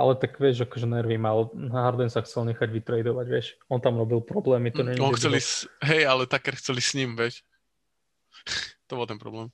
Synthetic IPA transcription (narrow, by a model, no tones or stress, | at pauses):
ʔa̰lɛt̪aɡʋɪɛʒakɔʒɛnɛɾʋimalɦaɾd̪ɛnsaxt͡sɛlɲɛxaɟʋit̪ɾɛjd̪ɔʋaɟʋɪɛʃɔnt̪amɾɔbilˠpɾɔblɛːmit̪ɔɲɛɲiɔɛt͡sɛlisɦɛjalɛt̪akːɛɾxt͡sɛlisɲimʋɛc | t̪ɔbɔlt̪ɛnpɾɔ̰blɛːm